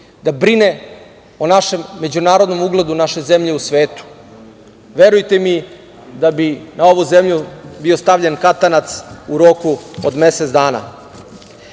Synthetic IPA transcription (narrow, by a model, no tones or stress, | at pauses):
d̪abɾine̞ | onaʃe̞mːe̞d͡ʑunaːɾod̪no̞muɡlˠed̪unaʃe̞zemʎe̞usʋeːt̪u̥ | ʋe̞ɾujt̪e̞mi | d̪abinao̞ʋuzemʎubio̞st̪aʋʎenkat̪anat̪suɾo̞kuod̪me̞set̪d̪aːna̰